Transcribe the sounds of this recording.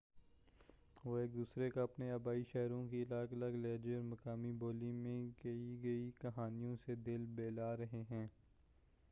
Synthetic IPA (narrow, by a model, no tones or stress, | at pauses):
ʋoːeːk̚d̪uːsɾekaɐpneɐbaːiʃɛɦɾõkiɪlaːklɐɡlɛːd͡ʒeɔːɾmɐkaːmiboːlimẽɡɐiɡɐikɐɦaːnijõsed̪ɪlbeːlaːɾɐɦeɦɛ̃ː